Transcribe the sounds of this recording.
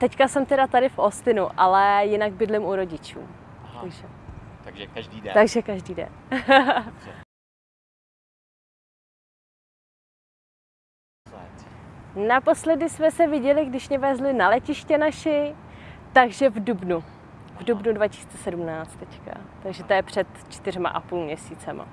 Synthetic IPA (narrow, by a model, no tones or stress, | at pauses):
t̪ɛckasɛmt̪ɛɾat̪adɪfʔost̪ɪnuʔalɛjɪnaɡbɪdlɪmuɾo̞ɟɪt͡ʃṵːt̪aɡʒɛ | t̪aɡʒɛkaʒdiːdɛ̰n | napo̞slɛdɪsmɛsɛvɪɟɛlɪɡdɪʃɲɛvɛːzlɪnalɛcɪʃcɛnaʃɪt̪aɡʒɛvdubnu | vdubnudvacɪ̥si̥ːt͡sɛsɛdumnaːt͡st̪ːɛcka̰t̪aɡʒɛt̪ojɛpr̝̥ɛt̪t͡ʃt̪ɪr̝ma̰ʔapulmɲɛsiːt͡sɛma̰